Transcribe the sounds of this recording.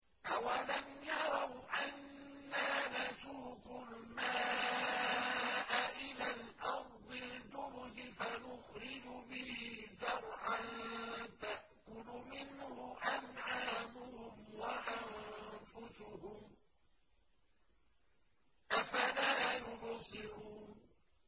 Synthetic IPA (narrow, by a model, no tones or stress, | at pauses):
ʔawalamjɑɾˤɑwʔanː | aːmasuːkʊlmaː | ʔaʔɪlaːlʔɑɾˤd̪ˤɪld͡ʒʊɾʊd͡ʒɪfanʊxɾɪd͡ʒʊbɪhzɑɾˤʕant̪aʔkʊlʊmɪnhʊʔanʕaːmʊhʊmwaʔamfʊsʊhʊm | ʔafalaːjʊnsˤɪɾuː